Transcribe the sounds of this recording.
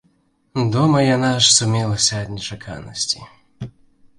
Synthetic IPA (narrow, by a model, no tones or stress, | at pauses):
d̪ɔmɐjanaʂsʊmʲilˠɐsʲɐːd̪ʲnʲɛt͡ʃakʰa̰nɔsʲtʲḭ